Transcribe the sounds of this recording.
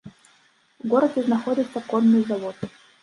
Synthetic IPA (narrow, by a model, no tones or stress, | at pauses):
vɡoɾəd̪ʲɪznɐxodʲɪt̪sːɐkonːɨjzavot̪